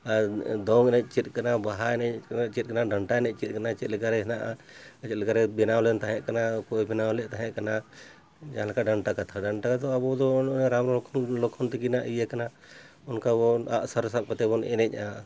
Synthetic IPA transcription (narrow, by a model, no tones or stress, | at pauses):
ad̪ɔŋɛnɛc̚ˀt͡ʃɛt̪̚ˀkanabaɦaɛnɛnɛt͡ʃɛt̪̚kanaɖəɳʈaɛnɛc̚t͡ʃɛt̪̚ˀkanat͡ʃɛt̪̚lɛkaɾɛɦɛnaʔa | t͡ʃɛt̪lɛkaɾɛbɛnawlɛnt̪aɦɛʔkanakɔjbɛnawlɛt̪aɦɛ̃ʔkana | d͡ʒaãlakaɖəɳʈakat̪ʰaɖaɳʈakat̪ɔabɔd̪ɔɾamɾɔɔkʰɔlɔkʰɔnt̪ɛkinaʔijɛkana | ɔnkabɔna̰ʔsaɾsat̪̚pat̪ɛbɔnɛnɛc̚ˀa